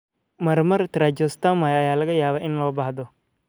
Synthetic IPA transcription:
mɐrmɐrt̪ɾad͡ʒɔst̪amajɐjaːlɐɣɐjaːβaːʔɪnlɔːbɐħðɔ

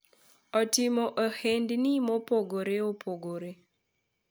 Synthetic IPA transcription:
ɔtɪmoʔahendnimopoɡoɾeopʰoɡoɾe

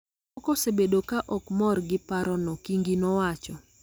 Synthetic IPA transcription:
ɔkɔsebedokaʔɔkmɔrɡɪpaɾɔnɔkiŋɡinɔwat͡ʃɔ

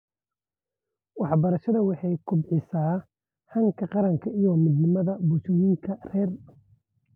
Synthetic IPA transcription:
wɑħbɐɾɐʃɐðɐwɑħɑjkʰʊbʕɪsaː | hɐŋkʰɐqɑɾɐŋkʰɐʔijɔmɪd̪nɪmɐðɐbʊt͡ʃɔjɪŋkʰɐrɛːr

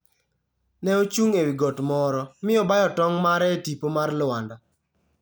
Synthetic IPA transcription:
nɛot͡ʃuŋewiɡotmɔɾɔmɪɔbajɔtɔŋmaɾɛtipomarlʊanda

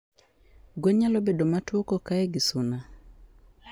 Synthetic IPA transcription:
ɡweɲalobedomatwokokaeɡɪsʊna

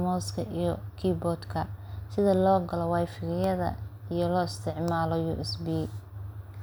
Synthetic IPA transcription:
mɔːskʰɐʔijɔkʰiːbɔːd̪kʰɐsɪðɐlɔːɡɐlɔwajfɪɣɪjɐðɐ̰ijɔlɔːɪst̪ʰɪʕmaːlɔjṵːʔɛsbiː

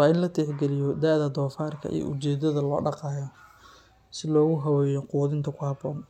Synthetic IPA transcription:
wɑːɪnlɐt̪ʰɛħɡɛlɪjɔd̪aːðɐd̪ɔːfaːrkʰɐ̰ʔḭj̰ʔʊt͡ʃɛːd̪ɐðɐlɔ̰ːɖɑqɑːjɔ | sɪlɔːɣʊɦɐwɛːjɔquwðɪnt̪ʰɐkʰʊhɐbɔːn

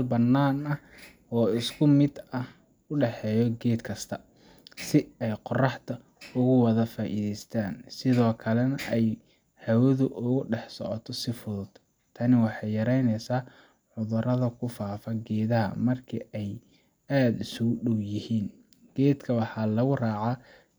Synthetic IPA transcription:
lbɐnːaːnɐ | ɔːɪskʰʊmɪd̪ɐh | ʊɖɛħɛːjɔɡɛːd̪kʰɐst̪ʰɐ | sɪɛjqɔrɑħt̪ʰɐ | ʊɣʊwɐðɐfaːʔḭðɛjst̪ʰaːnsɪðɔːkʰɐlɛnɐʔɛj | hɐwɐðʊʔʊɣʊɖɛħsɔ̰ʕɔt̪ʰɔsɪfʊðʊd̪ | t̪ʰɐnɪwɑħɑjjɐɾɛjnɛjsaː | ʕʊðʊrɐðɐkʰʊfaːfɐɡɛːðɐɦɐ̰mɐrkʰiɛj | aːd̪ɪsʊɣʊɖɔwjɪhiːn | ɡ̥ɛːd̪kʰɐwɑħɑːlɐɣʊrɑːʕɑ

